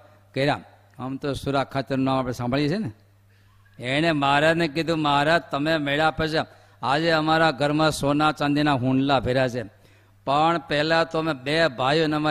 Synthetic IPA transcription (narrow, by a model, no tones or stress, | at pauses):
kəiɾa | əmt̪osuɾakʰːat̪eɾnunãmapɽesãmbʱəɭjet͡ʃʰene | eñemaɾanek̬id̪ʱũmaɾat̪əmemeɭapəʃe | ad͡ʒeəmaɾaɡʱəɾmãsonat͡ʃãnd̪inaɦũɳɖlabʱeɾat͡ʃʰe | pəɳpɛɦlat̪omebebʱajunema